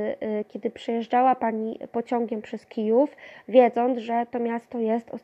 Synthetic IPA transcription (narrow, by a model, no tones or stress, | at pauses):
kʲɛd̪ɘpʂɛjɛʐd͡ʐawapaɲipɔt͡ɕɔŋɡʲɛmpʂɛskʲijufvʲjɛd̪zɔnd̪zʐɛt̪ɔmʲjast̪ɔjɛst̪ɔ̰